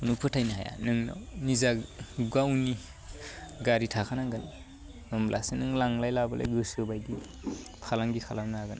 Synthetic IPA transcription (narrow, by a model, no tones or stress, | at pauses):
unupʰɯtʰajnaɦa̰ja̰nɯŋna̰nizaɡawni | ɡaɾitʰakʰanaɡɯn | ɯmlʔa̰senɯŋlaŋlajlabalʔa̰jɡɯsɯbajdi | kʰalaŋɡikʰalamnaɡɯn